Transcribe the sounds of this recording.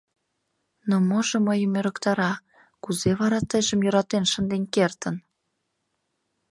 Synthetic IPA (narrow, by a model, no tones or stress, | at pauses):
nomoʒə̆məjəmøɾə̆kt̪ɑɾɑ | kuzeβɑɾɑt̪əjʒəmjoɾɑt̪enʃənd̪enkert̪ən